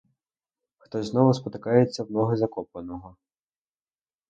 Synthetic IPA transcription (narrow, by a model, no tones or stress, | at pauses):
xt̪ɔzʲznɔʋʊspɔt̪ɪkɑjet͡sʲːɐwnɔɦɐzɐkɔpɐnɔɦɔ